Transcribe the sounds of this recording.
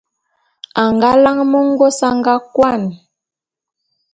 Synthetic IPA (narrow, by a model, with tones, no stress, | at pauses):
a˨ŋɡa˦la˦ŋmɔ˦ŋ˦ɡo˦sa˦ŋɡa˦kwa˦˨n˨